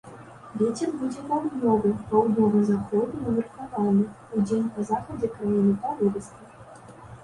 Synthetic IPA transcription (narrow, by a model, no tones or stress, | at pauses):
vʲet͡sʲɛrbud͡zʲɛpawd̪nʲɔvɨpawd̪nʲɔvɨzaxɔd̪ɨnɐmʲɨrk̪avanɨ | ud͡zʲenʲpɐzaxɐd͡zʲɛkɾajʲinɨt̪avɔɾɨst̪ʲɐ